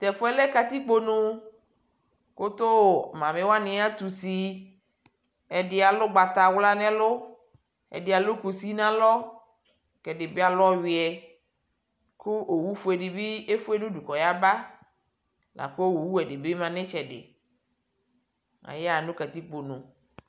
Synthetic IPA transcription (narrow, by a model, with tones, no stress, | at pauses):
t̪ɛ˨fʊ˦ɛ˦lɛ˦ka˨t̪i˦k͡po˦˨nũ˦ | ko˦t̪o˦˨mã˨mɪ̃˨˦wa˦nɪ̃˨a˦t̪u˨si˨ | ɛ˨dɪ˨a˨lʊ˦ɡ͡ba˨t̪a˨wla˦nɛ̃˦lʊ˦ | ɛ̰˨dɪ˨a˨lʊ˦ku˨si˦nã˦lɔ˦ | kɛ˨dɪ˨bɪ˦a˨lɔ˦wɪ˨ɛ˨ | kʰʊ˦ʔo˨wu˦fʊ˦ɛ˨dɪ˨bi˦e˦fʊ˦e˦nũ˦du˨kɔ˨ja˦ba˦ | nʔa̰˨ko˦wo˨wu˦ɛ˨dɪ˨bɪ˦mã˨nɪ̃˦t͡ʃɛ˨dɪ̰˨ | a̰˨jɛ˦a˨nʊ̃˦ka˨t̪i˦k͡po˨nũ˨